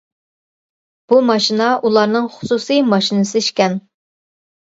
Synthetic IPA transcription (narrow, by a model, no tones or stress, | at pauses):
b̥umɑʃinɑʔulˠɑɾnɨŋχʊ̥susijmɑʃinɨsɨiʃkʲɛn